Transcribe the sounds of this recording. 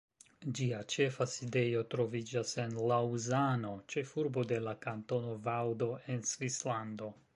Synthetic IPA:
d͡ʒiat͡ʃe̞faside̞jo̞tɾo̞vid͡ʒase̞nlauzano̞t͡ʃe̞fuɾbo̞de̞lakanto̞no̞vawdo̞ʔe̞nsvislando̞

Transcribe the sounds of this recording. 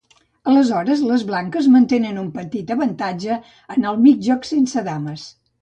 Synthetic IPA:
ələzɔɾəzləzβlaŋkəzmənt̪enənumpət̪it̪əβənt̪ad͡ʒəː | nəlˠmiʒɔksensəðaməs

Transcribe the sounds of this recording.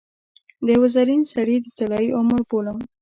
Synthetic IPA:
d̪əwazaɾinsaɽid̪ət̪alɑiʔʊməɾpolam

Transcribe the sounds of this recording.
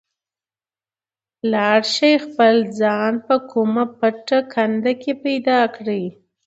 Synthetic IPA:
laaɽʃɑjxpəld͡zɑnpəkʰumapəʈakʰand̪akepajd̪ɑkɽi

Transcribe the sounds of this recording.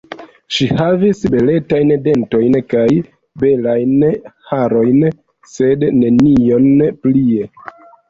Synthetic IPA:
ʃihavisbe̞le̞tajnde̞nto̞jnkaj | be̞lajnhaɾo̞jn | se̞dːe̞nio̞nplie̞

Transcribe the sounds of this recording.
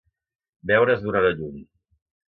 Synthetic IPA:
bɛwɾəzðuɾaləʎum

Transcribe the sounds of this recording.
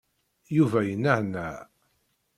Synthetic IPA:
juvæjənːəʕnæ

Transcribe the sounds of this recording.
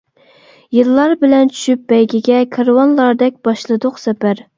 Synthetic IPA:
jɨlˠːɑɾbɪlɛnt͡ʃʰy̥ʃyp̚bɛjɡʲɪɡʲɛkʰɑɾwɑnlˠɑɾd̪ɛk̚ʲb̥ɑʃlˠɨd̪ʊqsɛpæɾ

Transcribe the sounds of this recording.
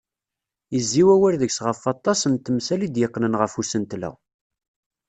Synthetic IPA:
jəzːiwæwæɾðəksʁəfɑt̪ˤːɑsənt̪ːmsælid̪jəqːnənʁəfusənt̪læ̰w

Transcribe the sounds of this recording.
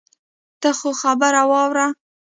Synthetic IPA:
t̪axoxabaɾawɑwɾa

